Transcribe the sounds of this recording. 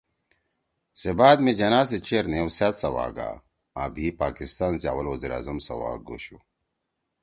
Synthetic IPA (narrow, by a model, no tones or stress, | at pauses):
sebaːd̪med͡ʑɐnaːset͡ɕeɾnewsaːt̪sɐwa̰ːɡa̰ | aːbʱiːpaːkist̪aːnsea̰wɐlwɐziɾa̰ːzɐmsɐ̰wa̰ːɡṵɕu